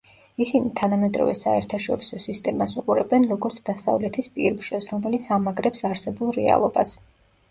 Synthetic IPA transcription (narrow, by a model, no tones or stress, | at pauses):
isinit̪ʰanamɛd̪ɾɔ̰vɛsaɛɾt̪ʰaʃɔɾisɔsist̪ʼɛmasuqʼuɾɛbɛnɾɔɡɔɾt̪sʰd̪asa̰vlɛt̪ʰispʼiɾbʒɔsɾɔmɛlit̪sʰamaɡɾɛpsaɾsɛbulˠɾɛa̰lˠɔba̰s